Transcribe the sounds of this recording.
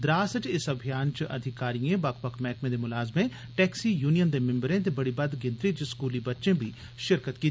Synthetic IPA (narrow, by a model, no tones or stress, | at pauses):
d̪ɾaːsəʈɪsɐbʱijaːnt͡ʃʔɐd̪ʱɪkaːɾijẽːbɐkpəkmɛːkmẽːd̪eːmʊlaːzmẽ | ʈɛːksiːjuːnijənd̪eːmɪ̃mbɾẽːt̪ebɐɽibɐd̪ɡɪ̃nt̪ɾit͡ʃskuːlibɐtːʃẽːbʱiː | ʃɪɾkət̪kiː